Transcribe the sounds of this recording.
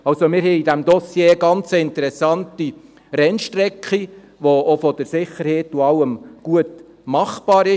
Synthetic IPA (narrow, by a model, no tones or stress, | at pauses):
ɑlsomɪɾɦɛidæmd̪ɔsjeːɡɑnt͡səɪnt̪ɛɾɛsɑnti | ɾɛnʃtɾɛkχi | ʋoofɔd̥əɾsɪχəɾhɛːtːuɑwəmɡ̥uət | mɑχb̥ɑːɾɪ